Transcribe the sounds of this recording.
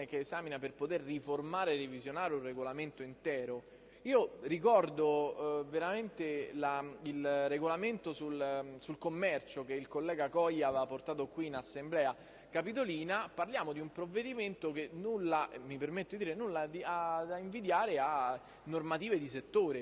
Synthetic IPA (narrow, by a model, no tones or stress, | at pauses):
ekeːzaːminaperpot̪erːiformaːɾerevizjonaːɾeurːeɡolament̪oint̪ɛːɾo | iːorikɔrd̪oveɾament̪elailreɡolament̪osulsulkomːɛrt͡ʃokeilkolːɛːɡakɔjːavapːort̪aːt̪̬okwiːnasːemblɛːa | kapit̪̬oliːnaparljaːmod̪iumpɾovːed̪iment̪ok̟enːulːaʔemipermet̪ːod̪id̪iːɾenulːad̪iaiɱvid̪jaːɾea | nːormat̪iːved̪iset̪ːoːɾe